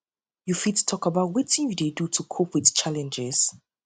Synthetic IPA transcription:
jufid̚tu̥tʰɔkabaʊt̚wɔtɪ̃njudedutʰukʰopwɪðt͡ʃʰalɛ̃nd͡ʒɪz̥

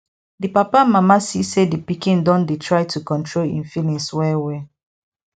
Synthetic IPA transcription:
dipapamamasisedipikĩndɔ̃ndetʰɹaɪtʰukɔ̃ntʰɹolḭ̃nfilĩswɛwɛ

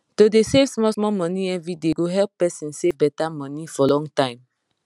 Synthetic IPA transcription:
todesevsmɔsmɔmɔ̃niɛvɹideɡoɦɛlp̚ːɛsɛ̃nsebɛtamɔ̃nifɔlɔ̃ŋtãɪ̃m

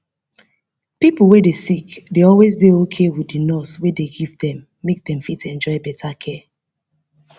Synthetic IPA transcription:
pipl̩ˠwedesikdeɔlwezdeokʰewidinɔswedeɡivdɛ̃mːek̚dɛ̃mfitɛ̃nd͡ʒɔɪbɛtʰakʰɛ

